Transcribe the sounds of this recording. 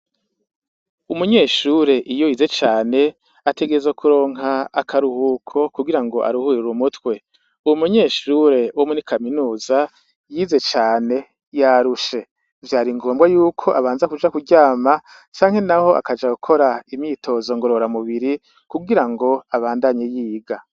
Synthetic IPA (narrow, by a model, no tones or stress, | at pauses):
umuɲe̞ːʃuɾe̞ʔijojiːze̞t͡ʃaːne̞ | ate̞ɡezokʰuɾo̞ːŋɦaːkʰaɾuhuːkʰo̞kuɡiɾaŋɡo̞ʔa̰ɾuhuːɾuɾumutwe̞ | uwumuɲe̞ːʃuɾe̞wʔomunikʰaminuːza | jiːze̞t͡ʃaːne̞ | jaɾuʃe̞ | vjaːɾiŋɡo̞ːmbɡajuːkʰo̞ʔaβaːnzakud͡ʒakuɟaːma | t͡ʃaːŋ̥he̞naho̞ʔa̰kad͡ʒaɡukʰo̞ɾaimɲiːtʰo̞zo̞ŋɡo̞ɾo̞ɾamuβiɾi | kuɡiɾaŋɡo̞aβaːndaɲejiːɡa